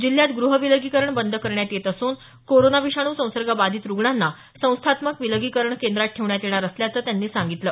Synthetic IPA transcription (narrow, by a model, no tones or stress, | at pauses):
d͡ʑil̤ːjat̪ɡɾuɦəʋiləɡikəɾəɳbənd̪ʱəkəɾɳjat̪jet̪əsuːn | koɾonaʋiʂaɽ̃uːsə̃w̃səɾɡabad̪ʱiːt̪ɾuɡɳanːa | sə̃w̃st̪ʰat̪məkʋiləɡiːkəɾəɳkend̪ɾat̪̚ʈʰeʋɳjat̪eɭaɾəsljat͡səːt̪janːiːsaŋɡit̪ləː